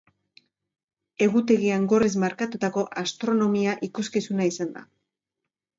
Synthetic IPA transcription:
e̞ɣut̪e̞ɣiaŋɡo̞rez̬maɾkat̪ut̪ako̞ʔast̪ɾo̞no̞miaʔikuskisunaisand̪a̰

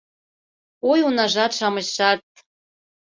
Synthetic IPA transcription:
ojunɑʒɑt̪ʃɑmɤ̆ɕɑt̪̚

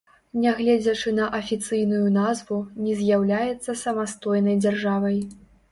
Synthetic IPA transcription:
nʲɛɣlʲɛd͡zʲɐt͡ʂɨnɐʔɐfʲit̪sɨjnujunazvunʲɛzʲjawlʲajɛt̪sːɐsɐmast̪ɔjnɐjd͡zʲarʐavɐj

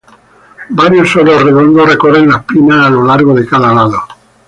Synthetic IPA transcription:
baɾjosoðoreðond̪orekorelapinaːlolaɾɣoðekaðalaðo

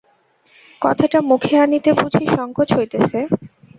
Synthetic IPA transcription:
kɔt̪ʰaʈamukʰeanit̪epud͡ʑʰʱiʃɔŋkʰot͡ɕɦojt̪esʰe

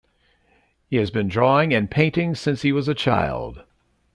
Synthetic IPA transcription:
hiɨzbɨ̃ndɹɔɪ̃ŋɨ̃npʰẽɪ̃ntɪ̃ŋsɪ̃nshiwʌzɨt͡ʃʰa̰ɪlˠd̥

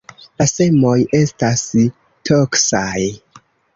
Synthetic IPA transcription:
lase̞mo̞je̞stas | tʰoksaj

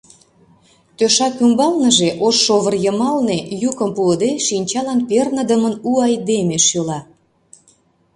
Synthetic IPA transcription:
t̪øʃɑkymbɑlnə̆ʒeʔoʃːoβərjəmɑlnejukəmpuəd̪eʃinʲt͡ɕɑlɑnpernəd̪əmənuɑjd̪emeʃjolɑ

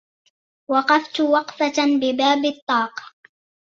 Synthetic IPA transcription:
wɑqɑft̪ʊwɑqfabɪbaːbɪt̪ˤːɑːq

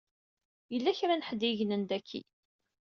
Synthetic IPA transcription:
jəlːæçɾanħd̪iʝnənd̪ækʰːḭ

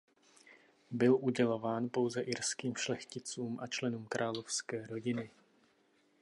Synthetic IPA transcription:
bɪlʔuɟɛlo̞vaːnpo̞wzɛʔɪɾskiːmʃlɛxcɪt͡suːmʔat͡ʃlɛnuːmkɾʔaːlofskɛːɾo̞ɟɪnɪ

